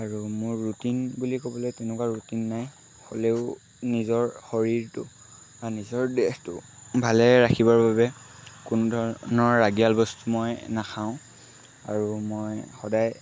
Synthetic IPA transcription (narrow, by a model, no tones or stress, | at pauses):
aɹumʊɹːutinbulikobɔlɛjtɛnɛkwaɹutinːaj | xo̰leʊ | nizɔɹxɔɹiɹtʊ | banizɔɹdɛxtʊ̰bʱalɛɹakʰibaɹbabɛ | kunudʱɔɹnɔɹːaɡialbɔstumɔjnaxʰaʊ̃ | a̰ɹumɔjxɔdaj